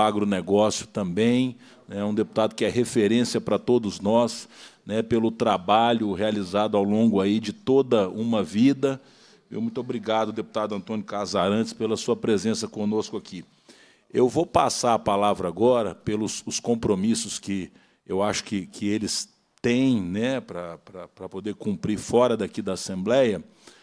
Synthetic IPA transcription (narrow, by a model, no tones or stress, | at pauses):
aɡɾʊneɡɔsjʊt̪ɐ̃mbẽj̃ | nɛũd̪epu̥t̪ad̪ʊkɪɛɦefeɾẽsiɐpɾɐt̪od̪ʊznɔsnɛpelʊt̪ɾabaʎʊhealizad̪ʊawlõɡʊaid͡ʒɪt̪od̪ɐũmɐvid̪ɐ | mḛwmũj̃t̪obɾiɡad̪ʊd̪epu̥t̪ad̪ʊɐ̃nt̪õnjʊkazaɾɐ̃t͡ʃɪ̥spelɐsuɐpɾezẽsɐkõnoskʊakʰi | ewvowpasaɾɐpalavɾɐaɡɔɾɐ̰pelʊsʊskõpɾomisʊskɪ | ewaʃʊ̥kɪkʰɪelɪs | t̪ẽj̃nɛpɾɐpɾɐpɾɐpod̪eɾkũmpɾiɾfɔɾɐd̪akid̪ɐasẽmblɛjɐ